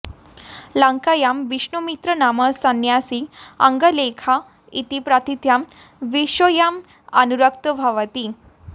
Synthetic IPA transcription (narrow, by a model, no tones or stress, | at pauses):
laŋkajamʋiʂɳumit̪ɾənaməsənjasia̰ŋɡəlekʰa | it̪ipɾat̪ʰit̪jam | ʋiʂojam | a̰nuɾək̚t̪əbʱaʋət̪i